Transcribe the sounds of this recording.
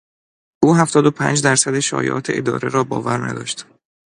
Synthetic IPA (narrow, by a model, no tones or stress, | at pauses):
ʔuːɦæft̪ɒːd̪opʰæ̰ːnd͡ʒd̪æɾsæd̪eʃɒ̰ːjḛʔɒ̰ːt̪ʰeʔed̪ɒ̰ːɾeɾɒːbɒ̰ːvæɾnæ̰d̪ɒ̰ːʃt̪